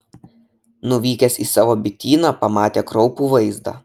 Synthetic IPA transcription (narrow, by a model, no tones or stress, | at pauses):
nʊʋʲiːkʲɛsiːsɑːʋoːbʲɪt̪ʲiːnɑpɐmɑːt̪ʲeːkɾɒʊpuːʋɐɪzd̪ɑ̰